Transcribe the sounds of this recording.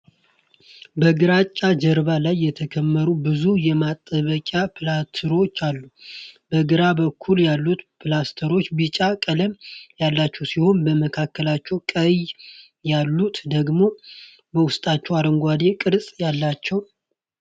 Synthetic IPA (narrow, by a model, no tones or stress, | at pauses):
bəɡɨɾat͡ʃʼːad͡ʒəɾβalajːɛt̪ʰəkʰəmːəɾubɨzujɛmat̪ʼːəβəkʼapʰɨlat̪ʰəɾo̞t͡ʃːalːubəɡɨɾabəkʰːuljalːut̪pʰɨlast̪ʰəɾo̞t͡ʃːbɨt͡ʃʼakʼələmjalːat͡ʃːɛwsiho̞nbəməkʰakːəlat͡ʃːɛwkʼəj | jalːut̪d̪əɡmo̞ | bəwʊst̪ʼat͡ʃːɛwaɾəŋɡʷad̪e̞kʼɨɾsʼjalːat͡ʃːɛw